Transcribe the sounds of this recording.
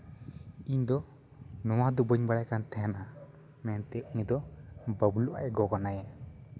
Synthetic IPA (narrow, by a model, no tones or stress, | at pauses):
iɲd̪ɔ | nɔwad̪ubəɲbaɽajkant̪ʰɛjanʔa | mɛnt̪ɛʔɲid̪ɔbəbluʔa̰ʔɛɡɔkanaja